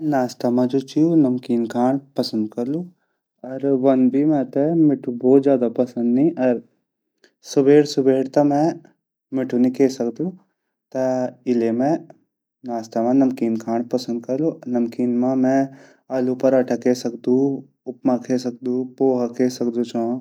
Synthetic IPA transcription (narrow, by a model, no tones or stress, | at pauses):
naːst̪amãd͡ʒot͡ʃiunɐmkiːnkʰaːɳpɐsə̃nd̪̚kɐɾlo | ɐɾʋɐnbʱimɛ̃t̪emɪʈʰubɔːt̪zjaːd̪apɐsə̃nd̪nĩɐɾ | sʊbeːɽsʊbeːɽt̪ɐmɛ̃ | mɪʈʰunĩkʰeːsɐkd̪u | t̪ɐɪlemẽ | naːst̪amãnɐmkiːnkʰaːɳpɐsə̃nd̪̚kɐɾlonɐmkiːnmãmɛ̃ | alupɐɾɐʈʰɐkesɐkd̪ũ | ʊpmãkʰes̬ɐk̚d̪ũpoːɦakesɐkd̪ut͡ʃãː